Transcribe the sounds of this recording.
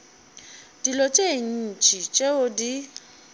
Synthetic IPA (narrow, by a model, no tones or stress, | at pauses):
d̥ilɔt͡ʃʼeŋ̩n̩t͡ʃʼit͡ʃʼeʊdi